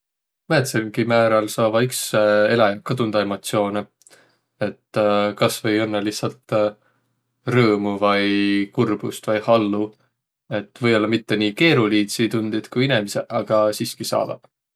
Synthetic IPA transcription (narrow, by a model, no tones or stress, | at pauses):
mæt̪selɡ̥imæːɾɑlsɑːvɑikse̞lekɑd̪und̪̥ɑe̞mo̞t̪sio̞ːne | e̞t̪ːkɑsvɤjonːeliçsɑlt̪ | rɤːmuvɑjkurb̥ust̪vɑjhɑlːu | e̞t̪ːˑvɤ̞jo̞lːɑmit̪ːe̞niːke̞ːɾuliːt̪sit̪und̪̥id̪̥kujine̞miseʔɑɡ̥ɑsiːskisɑ̰ːd̪̥ɑ̰̥